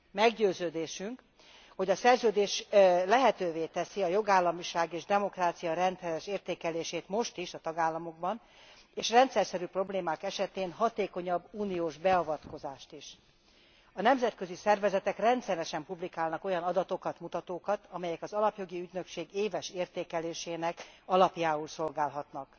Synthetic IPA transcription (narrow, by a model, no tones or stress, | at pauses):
mɛɡɟøːzøːd̪eːʃyŋk | ho̞ɟɒsɛrzøːd̪eːʃlɛɦɛt̪øːveːt̪ɛsiɒjo̞ɡaːlːɒmiʃaːɡeːʒd̪ɛmo̞kraːt̪sijɒɾɛnt̪sɛɾɛʃeːrt̪eːkɛleːʃeːt̪mo̞ʃt̪iʃɒt̪ɒɡaːlːɒmo̞ɡ̚bɒn | eːʃrɛnt̪sɛrsɛɾyːpro̞bleːmaːkɛʃɛt̪eːnɦɒt̪eːko̞ɲɒbːuːnioːʒbɛɒvɒt̪ko̞zaːʃt̪iʃ | ɒnɛmzɛt̪kø̞zisɛrvɛzɛt̪ɛkrɛnt̪sɛɾɛʃɛmpublikaːlnɒko̞jɒnɒd̪ɒt̪o̞kɒt̪mut̪ɒt̪oːkɒt̪ɒmɛjɛkɒzɒlɒpjo̞ɡiyɟnøkʃeːɡeːvɛʃeːrt̪eːkɛleːʃeːnɛkɒlɒpjaːulso̞lɡaːlɦɒt̪nɒk